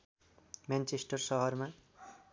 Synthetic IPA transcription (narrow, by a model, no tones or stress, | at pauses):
mant͡ʃesʈʌrsʌɦʌɾma